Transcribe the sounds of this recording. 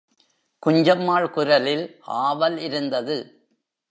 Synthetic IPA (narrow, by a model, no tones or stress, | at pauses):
kʊɲd͡ʒɐmːaːɭkʊɾɐlɪla̰ːʋɐlɪɾɯnd̪ɐðɯ